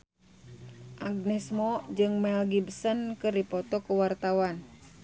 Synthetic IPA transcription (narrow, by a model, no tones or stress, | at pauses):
ʔaɡ̚nɛsmɔd͡ʒɨŋmɛlɡibsənkɨripɔt̪ɔkuwart̪awan